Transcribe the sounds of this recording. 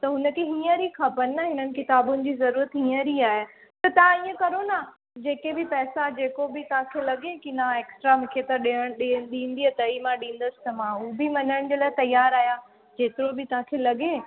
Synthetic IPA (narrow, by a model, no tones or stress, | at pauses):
t̪ɐɦʊnə̆kʰeɦiːə̃ɾikʰapənɪːɐɦɪnənɪ̆kɪt̪aːbʊnɪ̆d͡ʑiːzɐɾuːɾət̪ɦĩːə̃ɾiaːɦe | t̪ɐt̪ɐãiːə̃kɐɾona | d͡ʑeːkebɪpɛːsad͡ʑeːkobɪt̪ɐʋãkʰeːlɐɠẽkinaeːksʈɾamɪkʰeːt̪əɗiəɽ̃ɗiɗĩːn̆d̪iət̪ɐimãɗĩːn̆d̪əsɪ̥t̪ɐmãubɪmɐnəɽ̃d͡ʑeːlaːɪt̪ɐjaːɾaːɦja | d͡ʑeːt̪ɪɾobɪt̪ɐ̤ãkʰeːlɐɠẽː